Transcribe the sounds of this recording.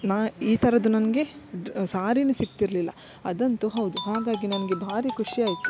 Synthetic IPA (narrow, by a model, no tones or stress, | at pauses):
naːiːt̪ʰɐɾɐd̪unɐnɐɡe̞ɖsaːɾinusik̚t̪iɾlilːɐ̰ | ɐd̪ɐnt̪uɦɐwd̪uɦaːɡ̪aːɡinɐnɐɡe̞bʱaːɾikʰuʂiaːjt̪u̥